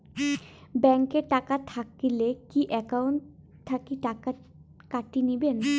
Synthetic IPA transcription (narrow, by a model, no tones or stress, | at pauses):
bɛŋkeʈakat̪ʰakilekiʔɛkawɳʈ | t̪ʰːakiʈaka | kaʈiniben